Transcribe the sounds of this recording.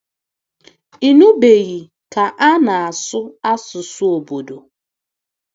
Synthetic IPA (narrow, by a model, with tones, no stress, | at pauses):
i˨nu˦be˨ɣi˨ | ka˨ʔa˦na˨a˨sʊ˦a˦sʊ˨sʊ˦o˨bo˨do˨